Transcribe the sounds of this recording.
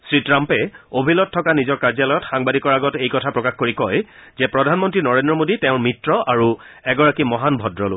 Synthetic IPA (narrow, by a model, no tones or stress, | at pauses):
sɹitɹampɛobʱilɔt̚tʰːɔkanizɔɹkaɹzalɔjɔtxaŋbadʱikɔɹaɡɔtejkɔtʰapɹɔkaxkoɹikɔjzɛpɹɔdʱanmɔntɹinɔɹendɹɔmoditɛʊ̃mitɹɔʔaɹu | ɛɡɔɹakimɔɦanbʱɔdɹɔlo̰